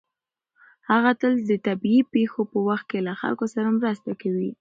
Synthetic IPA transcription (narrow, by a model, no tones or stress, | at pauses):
haɣat̪əld̪ət̪abiipexopəwaxt̪̚kelaxa̰lkosaɾamɾəst̪akawi